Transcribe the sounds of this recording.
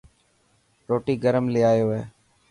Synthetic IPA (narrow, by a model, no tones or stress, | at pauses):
ɾoːʈiːɡəɾəmlɪːaːjoːɦeː